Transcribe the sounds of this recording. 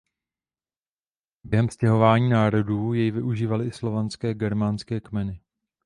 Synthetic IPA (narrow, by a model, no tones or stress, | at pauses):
bjɛɦɛmscɛɦo̞vaːɲiːnaːɾo̞duːjɛjvɪʔuʒiːvalɪɪslo̞vanskɛːɡɛɾmanskɛːkmɛnɪ